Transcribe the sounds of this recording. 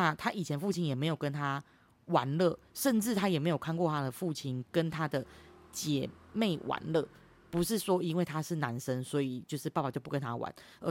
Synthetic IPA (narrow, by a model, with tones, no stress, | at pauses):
a˥˧t̪ʰa˦˥ʔi˨˩t͡ɕʰjɛ˧˦nfu˥˩t͡ɕʰi˦˥njɛ˨˩me˧˥ɪjo˨˩ʊkə˦˥nt̪ʰa˥ | wa˧˥nlə˥˩˨ | ʂə˥˧nʈ͡ʂɻ̩˥˩t̪ʰa˦˥jɛ˨˩me˧˥ɪjo˨˩ʊkʰa˥˧nkwɔ˥˨˩t̪ʰa˥d̪ə˨fu˥˩t͡ɕʰi˥nkə˦nt̪ʰa˦d̪ə˨t͡ɕjɛ˨˩me˥˩ɪwʔa̰˧˦nlɤ˥˩ | pu˧˦˥ʂɻ̩˥˩ʂwɔ˥i˦˥nwe˥˩ɪt̪ʰa˥ʂɻ̩˥˩na˧˦nʂə˦nswɔ˧˥i˨˩t͡ɕjo˥˧ʊʂɻ̩˥˧ppa˨˩t͡ɕo˥˧ʊpu˥˩kə˦nt̪ʰa˥wa̰˧˦n | ə˧˥